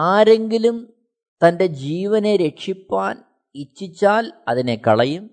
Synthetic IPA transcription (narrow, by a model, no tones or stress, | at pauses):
aːɾe̞ŋɡilum | t̪ɐnde̞d͡ʑiːʋɐne̞ɾe̞ʈʂipːaːn | it͡ɕːit͡ɕːaːlɐ̰ðine̞kɐɭɐjum